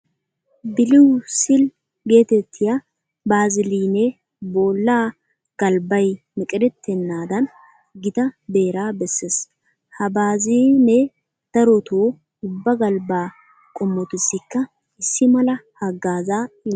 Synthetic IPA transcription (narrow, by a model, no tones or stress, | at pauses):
bɪlɪwsɪl | ɡe̞ːt̪ɛt̪ʰːɪjɐ | baːzɪliːne | boːlːaː | ɡ̥ɐlbɐj | mɪkʼɪd̪ɛt̪ʰːɛnːaːd̪ɐn | ɡɪt̪ɐbe̞ːɾaːbɛsːeːs | hɐbaːziːne | t̪ɐɾɔt̪ʰoː | ʊbːɐɡɐlbaː | kʼɔmːɔt̪ɪsːɪkːɐ | ɪsːɪmɐlɐhɐɡaːzaː